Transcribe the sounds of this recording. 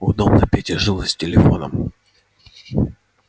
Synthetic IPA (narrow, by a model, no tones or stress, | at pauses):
ʊd̪obnɐpʲetʲɪʐɨlˠəsʲtʲɪlʲɪfo̞nə̰m